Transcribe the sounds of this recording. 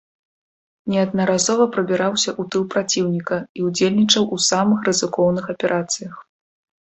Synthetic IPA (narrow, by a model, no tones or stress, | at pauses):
nʲɛɐd̪̚nɐɾazɔvɐpɾɐbʲiɾawsʲɐʔut̪ɨlˠpɾat͡sʲiwnʲikɐiud͡zʲelʲnʲit͡ʂɐwʔusamɨxrɨzɨkɔwnɨxɐpʲɛɾʔat̪sɨjɐx